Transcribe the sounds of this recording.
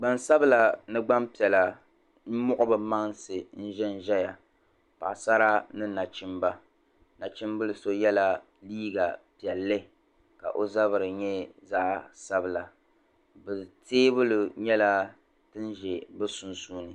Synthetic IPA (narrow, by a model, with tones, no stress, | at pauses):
ɡ͡ba˨nsa˦bɨ˦la˨nɨ˦ɡ͡ba˦mpi˨ɛ˨la˨ | n̩˦mʊ˦ʔʊ˦bɨ˦ma˦ŋsɨ˨n̩˦ʒɛ˦n˦ʒɛ˦ja˨ | pa̰˨sa˦ɾa˦nɨ˦na˨t͡ʃɪ˦mba˦ | na˨t͡ʃɪ˦m˦bɨ˦lɨ˨so˦jɛ˦la˦ | liː˦ɡa˨pi˨ɛ˨lːɨ˦ | ka̰˨ʔo˦za˦βɨ˨ɾɨ˨ɲɛ˦za˦ʔsa˦bɨ˨la˨ | bɨ˨teː˦bɨ˦lʊ˨ɲɛ˦la˦ | tɨ˦n˦ʒɛ˨bɨ˦su˨nsuː˦nɨ˨